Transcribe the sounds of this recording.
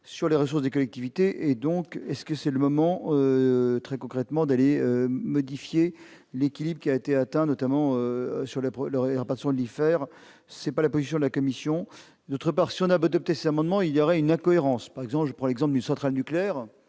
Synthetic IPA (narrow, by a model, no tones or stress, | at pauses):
syʁleʁəsuʁsd̪ekɔlɛk̚t̪ivit̪eʔed̪ɔ̃kɛskəsɛləmɔmɑ̃øt̪χɛkɔ̃kχɛt̪mɑ̃d̪aleømɔd̪ifje | lekʲilibʁəkʲiaet̪eat̪ɛ̃nɔt̪amɑ̃øsyʁleplaʁəpaʁt̪i̥sjɔ̃d̪əlifɛːʁ | sɛpalapozisjɔ̃d̪əlakɔmisjɔ̃ | d̪ot̪χəpaʁsiɔ̃naad̪ɔp̚t̪esɛzamɑ̃d̪mɑ̃iljɔʁɛynɛ̃kɔeʁɑ̃spaʁɛɡzɑ̃pʒəpχɑ̃lɛɡzɑ̃p̬ld̪ynsɑ̃t̪χalnykleɛːʁ